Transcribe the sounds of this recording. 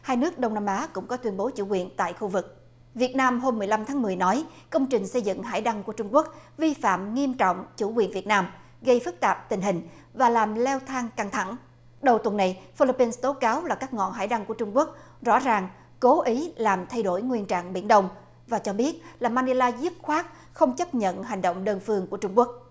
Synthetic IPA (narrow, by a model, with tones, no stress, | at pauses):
haː˧jnɨ˦˥ək̚ɗə˧wŋ͡mnaː˧mʔaː˨˦kʊ̰˧˥ŋ͡mkɔ˨˦t̪wi˧ənɓo˨˦t͡ɕṵ˧˩kwi˨˩ənt̪a̰ː˧˨jxu˧vɨ˨˩k̚ | vi˨˩ət̚naː˧mɦo˧mːɨ˨˩əjla˧mt̪ʰaː˨˦ŋmɨ˨˩əjnɔ˨˦j | kə˧wŋ͡mt͡ɕï˨˩ŋ̟sə˧jzɨ̰˧˨ŋɦa̰ː˧˩jɗa˧ŋku˧˩ət͡ɕʊ˧ŋ͡mku˦˥ək̚vi˧fa̰ː˧˨mŋi˧əmt͡ɕɔ̰˧˨wŋ͡mt͡ɕu˧˩kwi˨˩ənvi˨˩ət̚naː˧m | ɣə˧jfɨ˦˥k̚t̪aː˨˩p̚t̪ï˨˩ŋ̟ɦï˨˩ŋ̟ | vaː˨˩laː˨˩mlɛ˧wt̪ʰaː˧ŋka˧ŋt̪ʰa˧˩ŋ | ɗə˨˩wt̪wə˨˩nːa˨˩jfi˧li˧pːi˧nst̪o˨˦kaː˨˦wlaː˨˩kaː˦˥k̚ŋɔ̰˧˨nɦa̰ː˧˥˩jɗa˧ŋku˧˩ət͡ɕʊ˧ŋ͡mku˦˥ək̚ | zɔ̰˧˥zaː˨˩ŋ | ko˨˦ʔi˨˦laː˨˩mt̪ʰa˧jɗo˧˩jŋwi˧ənt͡ɕa̰ː˧˨ŋɓḭ˧˩ənɗə˧wŋ͡m | vaː˨˩t͡ɕɔ˧ɓi˦˥ət̚laː˨˩maː˧ni˧laː˧zu˦˥p̚xwaː˦˥k̚ | xə˧wŋ͡mt͡ɕə˦˥p̚ɲə̰˧˨nɦa˨˩jŋ̟ɗo̰˧˨wŋ͡mɗəː˧nfɨ˧əŋku˧˩ət͡ɕʊ˧ŋ͡mku˦˥ək̚